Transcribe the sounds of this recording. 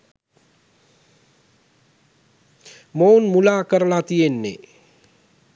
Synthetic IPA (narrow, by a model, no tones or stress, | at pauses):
mounmulaːkəɾəlat̪ijenːḛ